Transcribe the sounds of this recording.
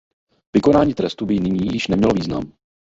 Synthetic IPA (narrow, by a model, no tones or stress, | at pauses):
vɪko̞naːɲiːt̪ɾɛst̪ubɪnɪɲiːjɪʃnɛmɲɛloviːzna̰m